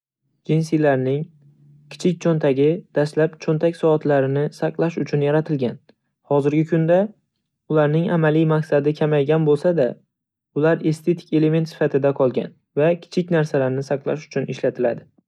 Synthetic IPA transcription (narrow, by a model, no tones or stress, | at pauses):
d͡ʒins̬ijlaɾnɪŋ | kʲʰɪ̥t͡ʃʰɪk̚ʲt͡ʃʰont̪ʰaɡʲɪd̪̥aslapt͡ʃʰont̪ʰakʲsɒːt̪laɾɪnɪsaqlˠaʃʊt͡ʃʰʊnjaɾat̪ʰɪlɡʲan | hɒzɪɾɡʲɪkʰʊnd̪a | ʊlaɾnɪŋamalijmaqsad̪ɪkʲʰamajɡʲanbolˠsad̪a | ʊlaɾe̞st̪ʰe̞t̪ʰɪ̥kʲe̞le̞me̞nt̪sɪ̥fat̪ʰɪd̪aqʰɒlˠɡʲa̰n | vakʲʰɪ̥t͡ʃʰɪkʲnaɾsalaɾnɪsaqlˠa̰ʃʊ̥t͡ʃʰʊnɪʃlat̪ʰɪlad̪ɪ